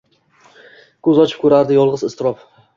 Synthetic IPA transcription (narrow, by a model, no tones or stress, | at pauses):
kʰɵzɒt͡ʃʰɪ̥p̚kʰɵɾaɾd̪ɪjɒlˠʁɨzɪst̪ɪɾɒf